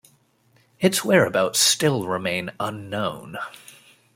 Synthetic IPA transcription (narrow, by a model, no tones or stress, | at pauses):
ɨtswɛɹɨbaʊtstɪlˠɹɪmẽɪ̃nʌ̃nːõʊ̃n